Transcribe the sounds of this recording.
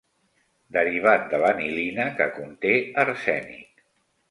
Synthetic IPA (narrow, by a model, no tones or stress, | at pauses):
d̪əɾiβ̞at̪̚d̪ələmilinəkəkunt̪eəɾsɛnḭk